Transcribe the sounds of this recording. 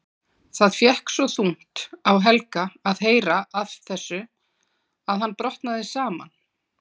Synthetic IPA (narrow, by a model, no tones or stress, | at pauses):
θaðfjɛhksɔθuŋ̥t̪awɦɛlkaaðɦeːjɾaavθɛsːʏ | aðɦanːpɾɔht̪naðɪsaːma̰n